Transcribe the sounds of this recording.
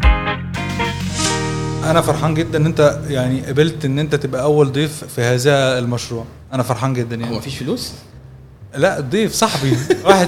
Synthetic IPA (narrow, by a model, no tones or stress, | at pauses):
ʔænæfɑɾˤħɑːnɡed̪ːænʔent̪æjaʕniʔæbelt̪ʔenːʔent̪æt̪ebʔæʔæwːæld̪ˤeːffihæːzæhelmɑʃɾuːʕ | ʔænæfɑɾˤħɑːnɡed̪ːænjaʕmfiːʃfluːs | læʔd̪ˤːeːfsˤɑħbiwaːħed̪